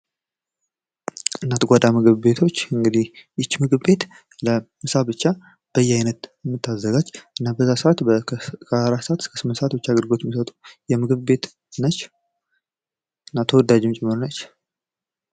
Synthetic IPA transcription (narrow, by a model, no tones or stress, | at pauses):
ɨnːat̪ɡʷad̪amɨɡɨβbe̞t̪ʰo̞t͡ʃːɨŋɡɨd̪ihjɪt͡ʃːmɨɡɨβbe̞t̪ | ləmɨsabɨt͡ʃːa | b̥əjːɛajnət̪ɛmːɨt̪ʰːazːəɡad͡ʒʔɨnːabəzːasəat̪kʰəɾat̪ːsat̪ɨskʰə̥sɨmənsat̪bɨt͡ʃːaɡəɾɡo̞t͡ʃːmisət̪ʼu̥jɛmɨɡɨβbe̞t̪ | nət͡ʃː | ɨnːat̪ʰəwɔd̪ad͡ʒɪmt͡ʃʼɛmːɨɾonət͡ʃː